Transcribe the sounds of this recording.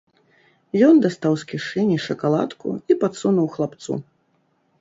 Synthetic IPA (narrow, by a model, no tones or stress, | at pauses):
jɔnd̪ast̪awskʲiʂɨnʲiʂɐkalˠa̰t̪kṵipat̪sunuwxlˠapt̪sṵ